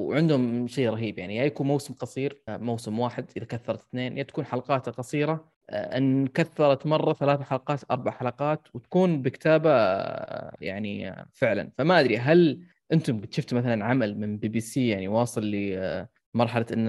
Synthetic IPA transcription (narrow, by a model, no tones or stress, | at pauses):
wʕɪnd̪hʊmʃeːɾˤɑɦiːbjaʕnijajakuːnmawsɪmqɑsˤiːɾmawsɪmwaːħɪd̪ʔɪðakaθːɑɾˤɑt̪θneːnjat̪ḁkuːnħalɑqɑːt̪qɑsˤiːɾɑ̰ | ʔɪnːkaθːɑɾˤɑt̪mɑrˤːɑθalaːθaħalɑqɑːt̪ʔɑ̰ɾˤbaʕħalɑqɑːt̪wt̪ḁkuːnbɪkɪ̥t̪aːba | ja̰ʕnḭfɪʕla̰nfamaʔad̪ɾiɦal | ʔɪnt̪ʊmɡɪt̪ʃʊft̪maθalanʕamalmɪnbiːbiːsiːjaʕniwɑːsˤɨlːi | mɑɾˤħalaʔɪnː